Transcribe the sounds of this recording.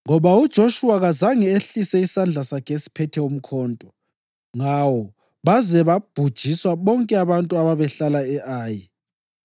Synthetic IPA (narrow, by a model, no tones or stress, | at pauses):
ŋɔβaud̥ʒ̥ʱoʃuaɣazaŋieɬisɛisand͡ɮʱasakʰesi̥pʰɛtʰɛum̩kʰɔːntʼɔ | ŋawɔ | βazɛβab̥ʱud̥ʒ̥ʱiswaβɔŋkʼɛaβantʼuaβaβɛɬalaɛʔaːji